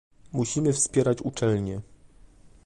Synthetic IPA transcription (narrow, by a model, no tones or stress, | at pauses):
muɕimɘfspʲjɛɾat͡ɕut͡ʂɛlɲɛ